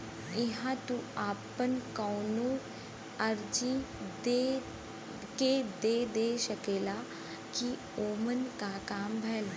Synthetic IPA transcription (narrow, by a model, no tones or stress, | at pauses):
ɪɦãt̪uaːpənkaːnũː | ɐɾd͡ʒid̪e | ked̪eːd̪eːʃɐkeːla | ki | oːmənkakaːmbʱɛːl